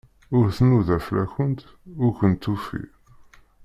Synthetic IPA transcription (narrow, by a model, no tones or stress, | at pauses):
ʊɾθnuðæflæçənt̪ | ʊɾçənt̪ːufḭ